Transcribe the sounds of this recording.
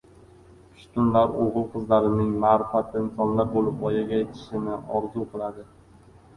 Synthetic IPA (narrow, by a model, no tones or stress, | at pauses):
ʊ̥ʃt̪ʊnlaɾoʁɨlˠqʰɨzlaɾɪnɪŋmaːɾɪfat̪ʰɪɪnsɒnlaɾ̚bolˠɪp̚ɒjaɡʲajet̪ʰɪ̥ʃɪnɪʔɒɾzuqʰɨlˠad̪ɪ